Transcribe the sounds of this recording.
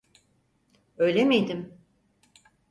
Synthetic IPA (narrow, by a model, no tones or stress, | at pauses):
ø̞jlʲemed̪im